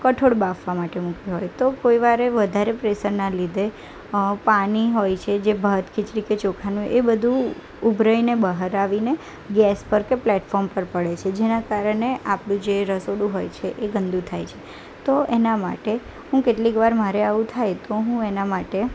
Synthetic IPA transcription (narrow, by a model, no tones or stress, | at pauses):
kəʈʰoɽbafʋamaʈemukiɦojt̪okoiʋaɾeʋəd̪ʱaɾepɾesəɾnalid̪e | paniɦojt͡ʃʰed͡ʒebʱəɦt̪kʰɪt͡ʃɽiket͡ʃokʰanũʔebəd̪ʱũ | ubʱɾəjnebəɦəɾaʋine | ɡɛspəɾkeplɛʈfɔɾmpəɾpəɽet͡ʃʰed͡ʒenakaɾəɳeʔapɽũd͡ʒeɾəsoɽũɦojt͡ʃʰeʔeɡənd̪ũt̪ʰajt͡ʃʰe̥ | t̪oʔenama̰ʈe | ɦũkeʈlikʋaɾmaɾeaʋũt̪ʰajt̪oɦũenamaʈe